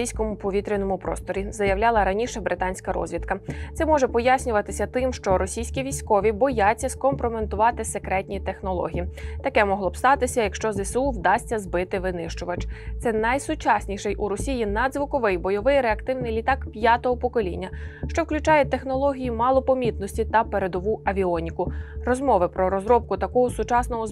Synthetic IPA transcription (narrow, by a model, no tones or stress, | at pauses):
ijsʲkɔmʊpɔʋʲit̪ɾʲinɔmʊpɾɔ̰st̪ɔɾʲizɐjɐwlʲɑlˠɐɾɐnʲiʃɛbɾɪt̪ɑnʲsʲkɐɾɔ̰zʲʋʲit̪kɐt̪sɛmɔʒɛpɔjasʲnʲʊʋɐt̪ɪsʲɐt̪ɪmʃt͡ʃɔɾɔsʲijsʲkʲiʋʲijsʲkɔʋʲibɔjatt͡sʲːɐskɔmpɾoment̪ʊʋɑt̪ɪsekɾɛtʲnʲit̪exnɔlˠɔ̰ɦʲijit̪ɐkɛmɔɦlˠɔbst̪ɑt̪ɪsʲɐjɐkʃt͡ʃɔzesuwd̪ɑsʲtʲːɐzbɪt̪ɪʋɪnɪʃt͡ʃʊʋɐt͡ʃt̪sɛnɐjsʊt͡ʃasʲnʲiʃɛjʔuɾɔsʲijinɑd̪zʋʊkɔʋɪjbɔjɔʋɪjɾeɐkt̪ɪwnɪjlʲit̪ɑkpʲjat̪ɔɦɔpɔkɔlʲḭnʲːɐʃt͡ʃɔwklʲʉt͡ʃɑjɛt̪ːe̞xnɔlˠɔɦʲijimɑlˠɔpɔmʲit̪nɔsʲtʲit̪ɐpeɾe̞d̪ɔʋuɐʋʲiɔnʲikʊrɔzmɔʋɪpɾɔɾɔzɾɔp̚kʊt̪ɐkɔɦʊsʊt͡ʃɑsnɔɦɔz